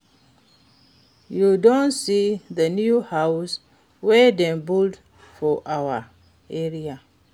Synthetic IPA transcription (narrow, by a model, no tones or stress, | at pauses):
judɔ̃nsiðənjuhaws | wɛdɛ̃nbuld | fɔʔawa | ɛɹia